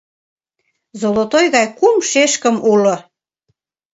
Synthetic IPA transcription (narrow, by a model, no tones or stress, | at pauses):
zolot̪ojɣɑjkumʃeʃkəmulo